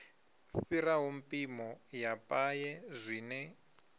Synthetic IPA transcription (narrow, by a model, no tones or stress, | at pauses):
firaɦumpʼimɔjapʼajɛzʷiːnɛ